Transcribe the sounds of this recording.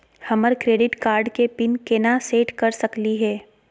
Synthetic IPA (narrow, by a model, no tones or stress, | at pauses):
hɐməɾkɾeːɖɪʈkaːɾɖkepɪnkeːnaseːʈkɐɾsɐkliɦɛː